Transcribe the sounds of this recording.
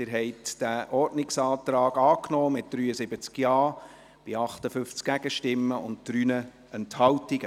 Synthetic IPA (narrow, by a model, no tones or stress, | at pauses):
ɪɾɦɛɪtd̥æʔɔrtnɪksɑːt̪ɾɑːɡɑːknɔːmɪt̚d̥ɾyːəsɪb̥ət͡skjɑː | b̥ɪɑχtəfʏft͡skɡ̥æɡəʃtɪmːəʊnttɾyːnə | ɛnthɑwtiɡə